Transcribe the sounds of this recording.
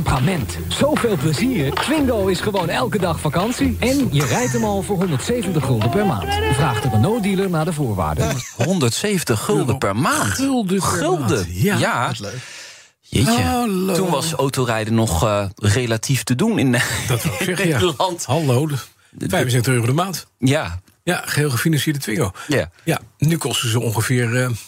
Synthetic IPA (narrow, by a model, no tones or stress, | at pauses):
mpramɛnt | z̥owveːlˠpləziːrkʋɪŋɡowɪsχəʋownɛlˠkədɑχfakɑnsiɛnjərɛjtəmɑlˠvʊːɹɦɔndəɹtsejvəntəχɵlˠdəpɛɹma̰ːntjəvraːχtədənːowt̚diləɹnaːɹdəvʊːɹʋa̰ːɹdə̰ɦɔndəɹtsejvəntəχʏlˠdəpɛɹmaːntlˠdχʏlˠdəja | ʋḛjətːunʋɑsowtowrɛjdənɔχrejlatiftədunɪndtsɛalɑntɦalowd | fɛjfəns̬ɛtəχøːodəmaːntja | jaχəɦɪːlˠχəfinɑnsɪːɹdətʋɪŋəjajanykɔstəzəɔŋχəvɪːɹ